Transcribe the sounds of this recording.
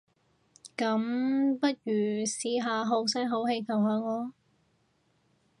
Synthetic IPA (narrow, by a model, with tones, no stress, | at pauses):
kɐ˨˥mpɐ˥t̚jyː˨˩siː˨˥ɦaː˨˧ɦo˨˥wsɐː˥ŋɦo˨˥whe˧jkʰɐ˨˩wɦaː˨˧ŋɔː˨˧